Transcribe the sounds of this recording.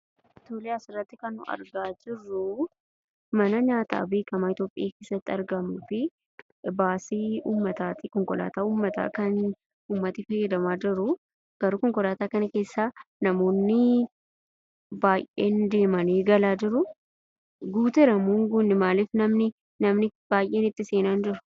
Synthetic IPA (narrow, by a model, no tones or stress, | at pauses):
t̪oːlɛjaːsɪrːɐt̪ːɪkɐnːʊ̰ʔɐ̰ɾɡaːd͡ʒɪrːʊ | mɐnɐɲaːt̪ʰa̰ːbe̞ːkɐmaːɪt̪jo̞ːpʼɪ̰ʔaːke̞ːsɐt̪ːɪɐɾɡɐmuːfɪ | baːsiːuːmːɐt̪aːt̪ɪkɔŋkʼɔla̰ːt̪aːuːmːɐt̪a̰ːkɐn | uːmːɐt̪ifɐjːɐd̪ɐmaːd͡ʒɪɾʊ | ɡ̥ɐɾuːkɔŋkʼɔlaːt̪aːkɐnɐke̞ːsːaːnɐmo̞ːnːɪ | baːjʔʔeːnd̪e̞ːmɐniːɡɐlaːd͡ʒɪɾʊ | ɡuːt̪ɛɾɐmuːŋɡuːnːɪmaːlɪːfnɐmnɪ | nɐmnɪb̥aːjʔe̞ːnɪt̪ːɪseːnand͡ʒɪɾʊ̥